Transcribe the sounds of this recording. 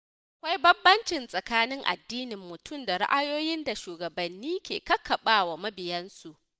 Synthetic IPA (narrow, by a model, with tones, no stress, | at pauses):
ʔaa˨kʷa˦jbɐ˦mbːɐ˦nt͡ʃɪ˨nsʼɐ˨kaː˦nɪ˦ŋʔa̰˨dːiː˦nɪ˨mːʊ˨tʰʊ˦˨mda˨ɽɪ̰˦ʔa˦joː˦jɪ˦nda˨ʃuː˨ɡɐ˨bɐ˨nːiː˦kʲḛː˨kɐ˦kʰːɐ˨ɓaː˦wa˨mɐ˦bɪ˨jɐ˦nsu˨ʔ